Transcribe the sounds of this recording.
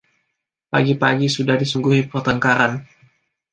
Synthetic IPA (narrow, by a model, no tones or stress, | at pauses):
pa̰ɡipaɡisudahdisuŋɡuɦipərt̪əŋkaɾan